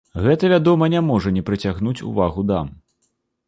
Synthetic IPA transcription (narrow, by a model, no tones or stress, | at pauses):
ɣɛt̪ɐvʲad̪ɔmɐnʲamɔʐɐnʲɛpɾɨt͡sʲaɣnut͡sʲṵvaɣud̪am